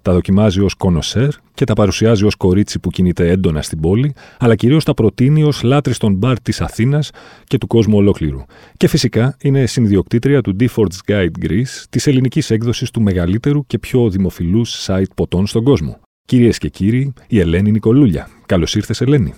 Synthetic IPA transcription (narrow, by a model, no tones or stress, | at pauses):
t̪ɐðo̞cimɐzio̞sko̞no̞se̞ɾ | ce̞t̪ɐpɐɾusiɐzio̞sko̞ɾit͡sipucinit̪e̞e̞nd̪o̞nɐst̪ibo̞liɐlɐciɾio̞st̪ɐpɾo̞t̪inio̞slɐt̪ɾist̪o̞nbɐɾt̪isɐθinɐsce̞t̪uko̞zmuo̞lo̞kliɾṵ | ce̞fisikɐine̞sinðio̞kt̪it̪ɾiɐt̪ud̪ifo̞ɾt̪sɡɐjd̪ɡɾist̪ise̞linicise̞kðo̞sist̪ume̞ɣɐlit̪e̞ɾuce̞pço̞ðimo̞filusːɐit̪̚po̞t̪o̞nst̪o̞ŋɡo̞zmo̞̰ | ciɾie̞sce̞ciɾiːe̞le̞niniko̞luʎɐ̰kɐlo̞siɾθe̞se̞le̞nḭ